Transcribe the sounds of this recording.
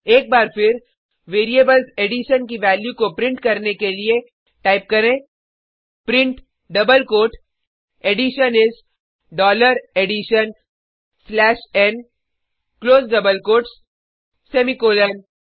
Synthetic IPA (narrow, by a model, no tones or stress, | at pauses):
eːk̚baːɾfɪɾ | ʋeːɾiebəlzeːɖɪʃənkiʋɛːljukopɾɪ̃ɳʈkɐɾnekelie | ʈaːɪp̚kɐɾẽː | pɾɪ̃ɳʈ | ɖɐbəlkoːʈ | eɖɪʃənɪz | ɖɔːləɾeɖɪʃən | slɛːʃɛ̃n | kloːzɖɐbəlkoːʈs | sɛːmikoːlən